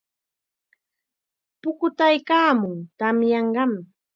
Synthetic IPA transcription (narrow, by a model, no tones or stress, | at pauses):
pʊkʊt̪ajkaːmʊŋt̪amjɑɴɢɑm